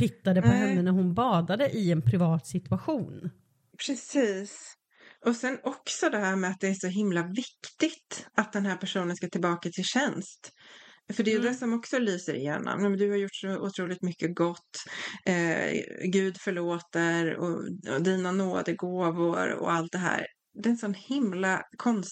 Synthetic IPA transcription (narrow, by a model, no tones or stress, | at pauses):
pɪt̪ːad̪əpʰɔɦɛnːənæɾhʊnbɑːd̪ad̪əʔɪɛnpʰɾɪvɑːt̪sɪt̪ʉaɧuːn | pʰɾɛsiːs | ɔsɛnɔksɔd̪ɛɦæːɾmɛat̪̚d̪ɛæʂɔɦɪmlavɪkt̪ɪɡt̪at̪̚d̪ɛnɦæːɾpʰæʂuːnənskat̪ʰɪlbɑːkat̪ʰɪlɕɛnst̪fœɖɛjɵd̪ɛsɔmɔksɔlyːsəɾɪ̰jḛːnɔ̰mnɛmɛnd̪ɵhaɾjʊʈːʂɔʊ̰t̪ʰɾuːlɪt̪mʏkːəɡɔt̪ːɛɡʉ̟ːd̪fœɭoːt̪əɾɔ̰d̪iːnanoːd̪əɡoːvʊɾɔ̰alt̪̚d̪ɛɦæ̰ːɾ | d̪ɛnsɔnhɪmlakʰɔns